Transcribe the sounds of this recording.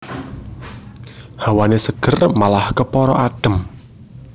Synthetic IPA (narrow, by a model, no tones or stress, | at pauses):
hawanesəɡ̥ə̤rmalahkəpɔɾɔʔaɖ̥ə̤m